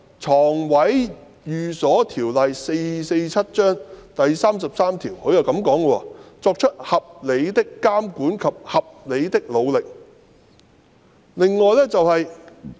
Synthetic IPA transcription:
t͡ʃʰɔː˨˩ŋwɐ˨˥j | jyː˨sɔː˨˥t̪ʰiː˨˩wlɐ˨jse˧jse˧jt͡sʰɐ˥t̚t͡ʃœː˥ŋt̪ɐ˨jsaː˥msɐ˨p̚saː˥mt̪ʰiː˨˩wkʰɵ˨˧ɥjɐ˨wkɐ˨˥mkɔː˨˥ŋɡə˧wɔ̰˧t͡sɔː˧k̚t͡ʃʰɵ˥t̚hɐ˨p̚le˨˧jt̪ɪ˥kːaː˥mkuː˨˥nkʰɐ˨p̚hɐ˨p̚le˨˧jt̪ɪ˥k̚lo˨˧wlɪ˨k̚ | lɪ˨ŋːɔː˨˧jlɛː˥t͡sɐ˨whɐ˨j

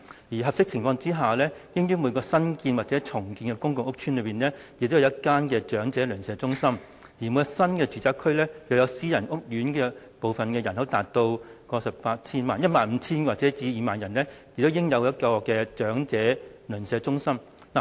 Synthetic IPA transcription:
jiː˨˩ɦɐ˨p̚sɪ˥k̚t͡sʰɪ˨˩ŋfɔː˧ŋt͡siː˥ɦaː˨˩lɛː˥kɪ˥ŋjyː˥muː˨˧jkɔː˧sɐ˥nkiː˧nwaː˨t̚t͡sɛː˨˥t͡sʰʊ˨˩ŋkiː˧nkɛ˧kʊ˥ŋkʊ˨ŋʊ˥k̚t͡ʃʰy˥nlɵ˨˧piː˨nlɛː˥jɪ˨k̚t̪o˥jɐ˨˧˩ɐ˥t̚kːaː˥nkɛː˧t͡ʃœː˨˥ŋt͡sɛː˨˥lœ˨˩nsɛː˨˧t͡sʊ˥ŋsɐ˥m | ji˨˩mu˨˧˥jsɐ˥nkɛː˧t͡ʃyː˨˩t͡saː˧˥kʰːɵ˥ɥlɛː˥jɐ˨˧wjɐ˧wsiː˥jɐ˨˩nʔʊ˥k̚jyː˨˥nkɛː˧ | po˨wfɐ˨nkɛː˧jɐ˨˩nho˨˥wt̪aː˨˩t̚t̪o˧wkɔː˧sɐ˨p̚pːaː˧t̚t͡sʰiː˥nmaː˨njɐ˥t̚maː˨nm̩˨˧˥t͡sʰiː˥nwaː˨k̚t͡sɛː˨˥t͡siː˧jiː˨˧maː˨njɐ˨˩nlɛː˥jɪ˨k̚t̪o˥wjɪ˥ŋjɐ˨˧wjɐ˥t̚kɔː˧kɛː˧t͡ʃœː˨˥ŋt͡sɛː˨˥lœ˨˩nsɛː˨˧t͡ʃʊ˥ŋsɐ˥m | naː˨˩

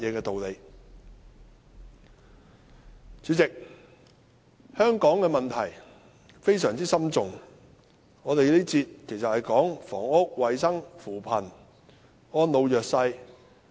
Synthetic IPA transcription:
jɛː˨˧kɛː˧t̪o˨wle˨˧j | t͡syː˨˥t͡sɪ˨k̚ | hœː˥ŋkɔː˨˥ŋkɛː˧mɐ˨nt̪ʰɐ˨˩j | fe˥js̬œː˨˩ŋt͡siː˥sɐ˥mt͡sʊ˨ŋ | ŋɔː˨˧t̪e˨jliː˥t͡siː˧t̚kʰe˨˩jsɐ˨t̚hɐ˨jkɔː˨˥ŋfɔː˨˩ŋʊ˥k̚wɐ˨jsɐ˥ŋfuː˨˩pʰɐ˨˩n | ɔː˥nlo˨˧wjœː˨k̚sɐ˧j

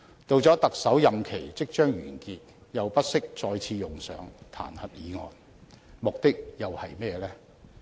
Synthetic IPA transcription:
t̪o˨˧wt͡sɔː˨˥t̪ɐ˨k̚sɐ˨˥wjɐ˨mkʰe˨˩jt͡sɪ˥k̚t͡ʃœː˥ŋɥyː˨˩nkiː˨˧t̚jɐ˨wpɐ˥t̚sɪ˥k̚t͡sɔː˧jt͡sʰiː˧jʊ˨ŋsœ̰ː˨˥ŋt̪ʰa̰ː˨˩nhɐ˨t̚jiː˨˧ŋɔː˨n | mʊ˨k̚t̪ɪ˥k̚jɐ˨whɐ˨jmɛː˥lɛː˥

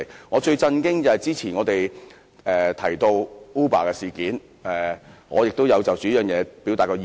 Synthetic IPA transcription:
jŋɔː˨˧t͡ʃɵ˧ɥt͡sɐ˧nkɪ˥ŋt͡sɐ˨hɐ˨jt͡siː˥t͡sʰiː˨˩nŋɔː˨˧t̪e˨j | ɛː˨t̪ʰɐ˨˩jt̪o˧wuː˥paː˨kɛː˧siː˨˩kiː˨˥n | ʔɛː˨ŋɔ̰ː˨˧jɪ˨k̚t̪o˥wjɐ˨˧wt͡sɐ˨wt͡syː˨˥jœː˨˩ŋjɛː˨˧pi˨˥wt̪aː˨tkɔː˧

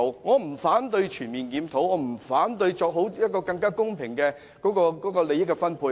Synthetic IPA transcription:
wŋɔː˨˧m̩˨˩faː˨˥nt̪ɵ˧ɥt͡ʃʰyː˨˩nmiː˨˩nkiː˨˧˥mt̪ʰo˨˥wŋɔː˨˧m̩˨˩faː˨˥nt̪ɵ˧ɥjt͡sɔː˧k̚ɦo˨˥wjɐ˥kɔː˧kɐ˧ŋkaː˥kʊ˥ŋpʰɪ˨˩ŋkɛː˧ | kɔː˨˥kɔː˧kɔː˨˥kɔː˧le˨˧jɪ˥kːɛ˧fɐ˥npʰuː˧

